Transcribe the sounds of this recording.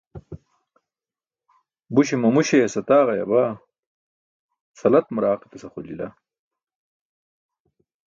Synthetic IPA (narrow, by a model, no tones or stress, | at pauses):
buɕimɐmuɕesɐt̪aːʁɐjɐ̰ba | sɐlɐt̪mɾaːqi̥t̪ɐsɐχulḭla̰